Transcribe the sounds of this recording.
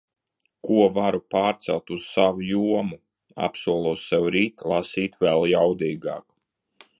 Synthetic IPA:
kuɔvaɾupaːɾt̪sɛlˠt̪uz̥savujuɔmu | a̰psuɔlˠɔssɛwɾiːt̪lˠasiːt̪vɛlˠjawd̪iːɡɑ̰ːk

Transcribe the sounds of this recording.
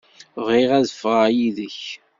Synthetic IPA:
vʁiʁæðəfʁajiðəç

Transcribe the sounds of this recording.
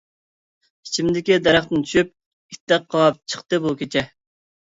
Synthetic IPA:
i̥t͡ʃʰimd̪ɪkʲid̪ɛɾɑχt̪ɨnt̪ʰy̥ʃyp̚ʲ | i̥t̪ːɛq̚ʰːɑp̚t͡ʃʰə̥χt̪ɨbukʲʰet͡ʃʰɛ

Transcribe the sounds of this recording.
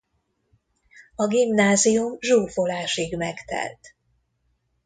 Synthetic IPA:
ɒɡimnaːzijumʒuːfolaːʃiɡmɛkt̪ɛ̰lt̪

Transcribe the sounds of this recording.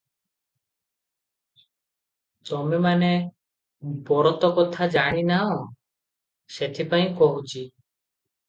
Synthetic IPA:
t̪ɔmemane | bɔɾɔt̪ɔkɔt̪ʰad͡ʒaɽ̃inaɔ̃ | set̪ʰipaĩkɔɦut͡ʃʰi

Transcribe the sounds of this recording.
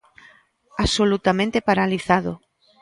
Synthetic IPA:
asolut̪amẽnt̪epaɾaliθaðo̰

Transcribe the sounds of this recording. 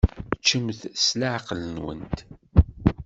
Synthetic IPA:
t͡ʃːəmθslaʕqlənwə̰nt̪

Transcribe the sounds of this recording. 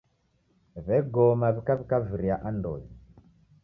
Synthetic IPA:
βɛɡɔmaβikaβikaviɾiaʔandɔ̰ji

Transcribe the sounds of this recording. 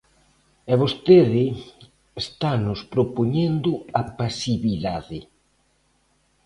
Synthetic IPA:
ɛβost̪eðɪ | est̪anʊspɾopoɲend̪ʊapasiβiðaðɪ

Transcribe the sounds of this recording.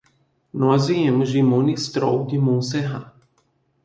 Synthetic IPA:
nɔzijɛmʒimonist̪ɾɔwd̪imonsɛɦa

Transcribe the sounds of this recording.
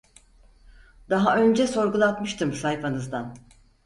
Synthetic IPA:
d̪̥aɦaø̞nd͡ʒɛso̞ɾɡulˠat̪mɯʃt̪ʰɯmsajfanɯzd̪an

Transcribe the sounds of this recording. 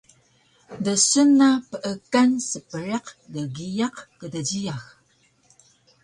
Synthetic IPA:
dəsənapəʔəkansəpəɾeqdəɡijaqkədad͡ʑijax

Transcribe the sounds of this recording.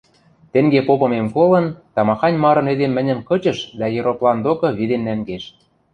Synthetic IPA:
t̪ĕŋɡepopɤ̆memkolɤ̆nt̪ɑmɑxɑnʲmɑɾɤ̆ned̪emːɘ̆nʲə̆mkɤ̆t͡ɕɤ̆ʃd̪ɑjeɾoplˠɑnd̪okɤ̆βid̪emnæŋɡeʃ

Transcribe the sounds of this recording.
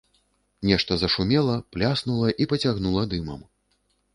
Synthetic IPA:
nʲɛʂt̪ɐzɐʂumʲɛlˠɐplʲasnulˠɐʔipɐt͡sʲaɣnulˠɐd̪ɨmɐ̰m

